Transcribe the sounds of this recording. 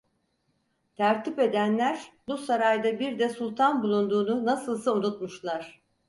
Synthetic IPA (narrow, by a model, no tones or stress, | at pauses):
t̪ʰæɾt̪ʰipe̞d̪ænlʲæɾbusaɾajd̪abiɾd̪ɛsulˠt̪ʰanbulˠund̪uːnunasɯlˠsɯunut̪muʃlˠaɾ̥